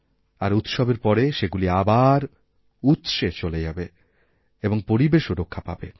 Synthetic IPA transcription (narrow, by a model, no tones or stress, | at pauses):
aɾut̪ʃɔbeɾpɔɾeʃeɡuliabaɾ | ut̪ʃet͡ɕoled͡ʑabe | eboŋpoɾibeʃoɾokʰːapa̰be